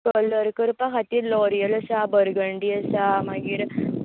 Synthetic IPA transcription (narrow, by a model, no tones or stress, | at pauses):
kələɾkəɾpaɦat̪iːɾlɔɾijələsabəɾɡəɳɖiəsamaɡiːɾ